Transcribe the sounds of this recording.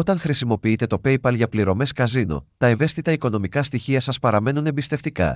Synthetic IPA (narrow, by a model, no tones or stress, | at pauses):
o̞t̪ɐŋxɾisimo̞piit̪e̞t̪o̞pe̞jpɐlʝɐpliɾo̞me̞skɐzino̰t̪ɐe̞ve̞st̪it̪ɐiko̞no̞mikɐst̪içiɐsɐspɐɾɐme̞nune̞mbist̪e̞ft̪ikɐ̰